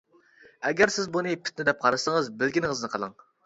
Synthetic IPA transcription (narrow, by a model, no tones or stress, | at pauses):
ɛɡʲɛɾsɪzbunɨpʰɪ̥t̪̚nɪd̪ɛp̚qʰɑɾɨsəŋəzbɪlɡʲinɪŋəznɨqʰɑlˠɑŋ